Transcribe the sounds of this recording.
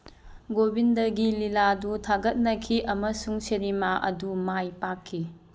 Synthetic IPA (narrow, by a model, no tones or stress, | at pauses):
ɡobindɐɡililadutʰaɡɐt̚nɐkʰiʔɐmɐsuŋsɐɾimaʔɐ̰dumajpakʰːi